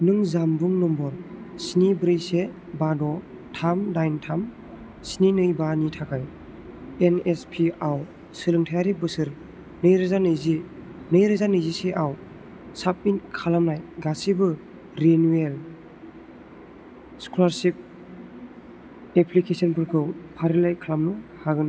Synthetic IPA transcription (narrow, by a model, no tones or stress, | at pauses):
nɯŋzambuŋnɔmbɔɾsinibɾɯjse | badɔ | tʰamdajntʰam | sininɯjbanitʰakʰaj | enespʰiaw | sɯlɯŋtʰajaɾibɯsɯɾ | nɯjɾɯzanɯjzi | nɯjɾɯzanɯjziseʔaw | sap̚mitkʰalamnajɡasibɯ | ɾenuel | skʰulaɾsip̚ | epʰlikʰesɔnpʰɯɾkʰɯwpʰaɾilajkʰalamnɯhaɡɯn